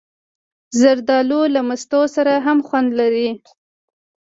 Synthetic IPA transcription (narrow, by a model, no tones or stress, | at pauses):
zaɾd̪ɑlolamast̪osaɾaɦamxwand̪laɾi